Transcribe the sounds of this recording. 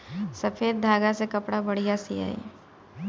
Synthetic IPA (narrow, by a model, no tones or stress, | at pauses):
sɐfʰeːd̪̚d̪ʱaːɡasekɐpɽabɐɽ̤ijasija̰ːḛ